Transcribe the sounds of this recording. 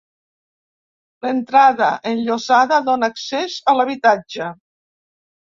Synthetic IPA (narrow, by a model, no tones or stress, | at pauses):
lent̪ɾaðəʔenʎozaðəðonːksezəlaβit̪ad͡ʒə